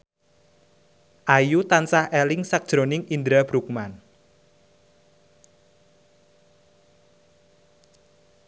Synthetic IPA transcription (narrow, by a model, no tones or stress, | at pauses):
ʔajut̪ansahɛlɪŋsak̚d̥ʒ̥ɾonɪŋind̪ɾab̥ɾuk̚man